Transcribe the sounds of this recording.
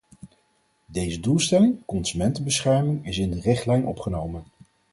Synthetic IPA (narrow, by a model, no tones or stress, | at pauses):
dejzədulˠstɛlɪŋkɔnsymɛntəbəsχɛɹmɪŋɪsɪndərɪχtlɛjnʔɔ̰pχənowmən